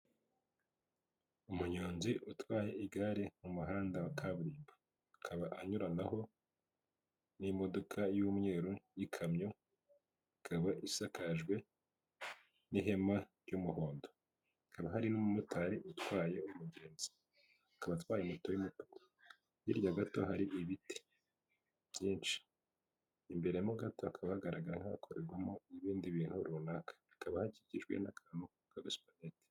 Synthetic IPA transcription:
umuɲoːnziʔutwaːje̞ʔiɡaɾimumuɦaːndawakʰaβuɾiːmbaː | kʰaβaʔaɲuɾanaɦo̞ | nimo̞do̞kʰajumŋe̞ːɾujikʰamɲo | kʰaβaʔisakʰaʒɡwe̞ | niɦe̞maɾjumuhoːndo | ikaβaɦaɾinumumutaɾitwaːjeumuɟe̞ːnzi̥ | akaβatwaːjemutojimuto̥ko̥ | jiɾjaɡato̞̰ɦaɾiʔiβite̥ | βɟiːnt͡ʃi̥ː | mbe̞ɾe̞jamoɡato̞akʰaβahaɡaɾaɡaɾaŋhakʰoɾeɾɡwamo̞iβiːndiβiːn̥huɾunakḁikaβahaɟiciʒɡwḛnakʰaːn̥u | kaɡaspanete̥

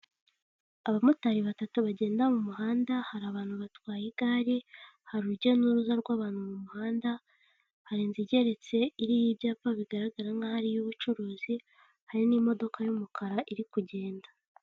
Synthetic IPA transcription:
aβamutaɾiβatatuβaɟe̞ːndamumuɦaːndahaɾaβaːn̥huβatwaːjiɡaːɾihaɾuɾɟe̞nuɾuzaɾɡwaːβaːn̥humumuhaːnda | haɾinziɟe̞ɾe̞t͡se̞iɾijibjaːpaβiɡaɾaɡaɾaŋɡahaɾijuβut͡ʃuɾoːzi | haɾinimo̞do̞kajumukʰaɾaʔiɾikuɟe̞ːnda

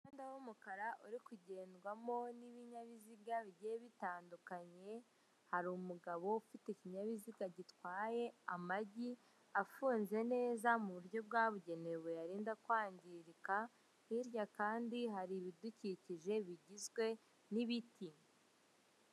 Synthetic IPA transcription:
andawomukaɾaʔuɾikuɟe̞ːndɡwamo̞niβiɲaβiziɡaβiɟeeβitaːndukaɲe̞ | haɾumuɡaβo̞ufiteiciɲaβiziɡaɟitwaːje̞amaɟi | afuːnze̞ne̞ːzamuβuɾjo̞b̚ɡaːβuɟe̞ne̞βwejaɾiːndakwaːɲɟiɾika | iɾjakaːndiɦaɾiβiduciciʒe̞βiɟizɡwe̞ | niβitʰi

